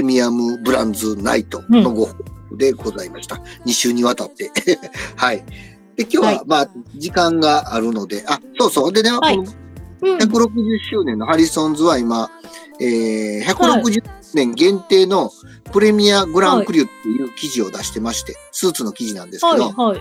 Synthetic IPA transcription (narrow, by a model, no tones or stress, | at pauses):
emʲiamɯ̟bɯ̟ɾã̰nd͡zɨna̰it̪o̞o̞ɡo̞hod̪e̞ɡo̞zaimaɕi̥t̪ḁɲ̟iɕɨːɲ̟iβat̪at̪ːe̞hai | d̪̥e̞kʲo̞ːβamad͡ʑikãŋɡaʔaɾɯ̟no̞d̪e̞ʔasoːso̞ːd̪e̞neko̞noçakɯ̟ɾo̞kɯ̟ʑɨɕːɨːnẽnːo̞haɾʲisõ̞nzɨβaima | eːçakɯ̟ɾo̞kɯ̟ʑ | nẽ̞ŋɡẽ̞nt̪e̞ːno̞ | pɯ̟ɾe̞mʲiabɯ̟ɾãkɯ̟ɾʲɯ̟t̪ːe̞jɯ̟ːkʲiʑio̞d̪aɕi̥t̪e̞maɕi̥t̪e̞ | sɨːt͡sɨno̞kʲiʑinãnd̪e̞sɨked̪o̞